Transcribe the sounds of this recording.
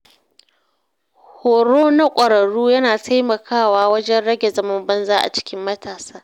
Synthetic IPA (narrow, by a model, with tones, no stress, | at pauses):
hoː˨ɾoː˦na˦kʷʼɐ˨ɽɐ˨ɽuː˦jɐ˦naː˨tʰa˦jmɐ˨kʰaː˦˨waː˦wɐ˦d͡ʒɛ˦nɽɐ˦ɡʲe˨zɐ˦mɐ˦mbɐ˦nzaː˦ʔa̰˨t͡ʃɪ̥˦kʲɪ˦mːɐ˦taː˨saː˦